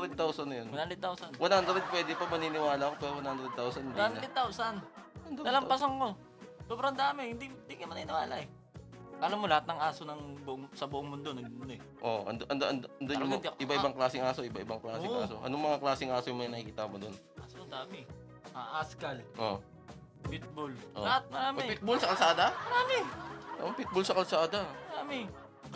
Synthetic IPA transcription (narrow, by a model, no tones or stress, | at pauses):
ɾɛd̪̚t̪awsɐnːɐjonɐnhand̪ɾɛd̪̚t̪awsɐnwɐnhand̪ɾɛd̪̚pwɛːd̪ɪpɐmɐninɪwaːlɐʔɐkopɛːɾowɐnhand̪ɾɛd̪̚t̪awsɐnɐnhanɾɛd̪̚t̪awsɐnnhand̪nɐlɐmpɐsaŋko̞ | sobɾɐnd̪aːmɪhɪnd̪ind̪ikɐmɐniːnɪwa̰ːlɐ̰ʔɛ | ʔɐlamːolɐhat̪nɐŋaːsonɐŋbʊʔoŋsɐbʊʔoŋmʊnd̪onɐɡmnoɛ | ʔoʔɐ̰nd̪ʔɐnd̪aʔɐnd̪ɐnd̪aaɐʔɪbaʔɪbaŋklaːsɪŋaːso̞ʔɪbaʔɪbaŋklaːsɪŋʔa̰ːso̰ʔɐ̰noŋmɐŋaklaːsɪŋʔaːsojmɐŋɐnɐkikiːt̪amod̪on | ʔasoɐnd̪aːmɪ | ʔaʔaskɐlʔo̰ | pɪt̪̚bolʔolɐhat̪̚mɐɾaːmɪpɪt̪̚bolsɐkɐlsaːd̪ɐmɐɾaːmɪnamɐŋpɪt̪̚bolsɐkɐlsaːd̪ɐmɐɾaːmɪ